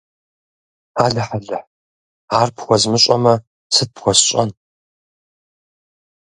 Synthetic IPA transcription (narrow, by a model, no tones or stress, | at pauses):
aːɮɐħaɮɐħ | aːrpxʷɔzmɨɕʼɐmɐ | sɨt̚pxʷɔsɕʼɐ̰n